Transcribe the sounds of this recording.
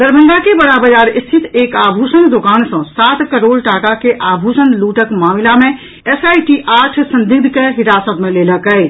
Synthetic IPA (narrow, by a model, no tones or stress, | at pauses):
d̪əɾbʱə̃nd̪akebəɽabəd͡ʒaɾist̪ʰit̪ʰeːkabʱusənd̪okaːnsə̃sat̪kəɾoːlʈakakeʔabʱusənluʈəkmamilamẽ | esaiʈiʔaʈʰsə̃nd̪iɡd̪ʱkeɦiɾasət̪meleləkəj